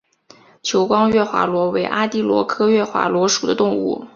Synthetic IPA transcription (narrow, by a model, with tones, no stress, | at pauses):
t͡ɕʰjo˧˥ʊkwɑ˥ŋɥɛ˥˩xwa̰˧˥lwɔ˧˥we˧˥ɪʔa˥t̪i˥˩lwɔ̰˧˥kʰɤ˥ɥɛ˥˩xwa̰˧˥lwɔ˧˥ʂu˨˩d̪ə˦t̪ʊ˥˧ŋṵ˥˩